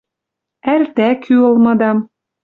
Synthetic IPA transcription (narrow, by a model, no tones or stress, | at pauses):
ært̪ækʰyɤ̆lmɤ̆d̪ɑm